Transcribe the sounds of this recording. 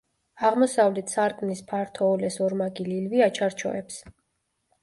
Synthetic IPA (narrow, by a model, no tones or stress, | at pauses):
aʁmɔsavlɛt̪ʰsaɾkʼnispʰaɾt̪ʰɔːlɛsɔɾmaɡililviat͡ʃʰaɾt͡ʃʰɔ̰ɛps